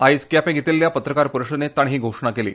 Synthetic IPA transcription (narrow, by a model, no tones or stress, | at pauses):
ajskjapẽɡʱet̪iːlːjapət̪ɾəkaɾpuɾuʂəd̪net̪ːaɳɦiːɡʱoʂɳakelḭː